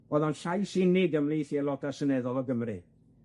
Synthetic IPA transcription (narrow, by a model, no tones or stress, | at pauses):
ɔðɔnɬajsɪnɪɡəmlˠiːθiɛlˠɔdasənɛðɔlˠɔɡəmrɨ